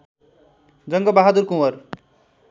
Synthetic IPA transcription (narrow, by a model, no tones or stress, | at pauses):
d͡zʌŋɡʌbaɦad̪uɾkũwʌr